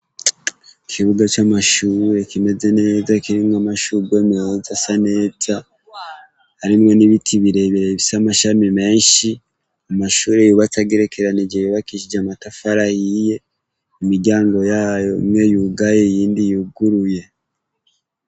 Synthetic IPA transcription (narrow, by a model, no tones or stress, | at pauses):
ikʰiβuɡat͡ʃamaʃuːɾe̞kime̞ze̞ne̞ːzakiɾimŋamaʃuɡwe̞meozasane̞ːza | haɾimŋo̞niβitʰiβiɾe̞βiɾeβisamaʃamime̞ːnʃi | amaʃuːɾe̞juβat͡saɡeɾe̞kʰe̞ɾanid͡ʒejuβakiʃid͡ʒeamatafaɾahije̞ | imiɾɟaːŋɡo̞jaːjo̞ḭmŋe̞juɡajeijiːndijuɡuɾuje̞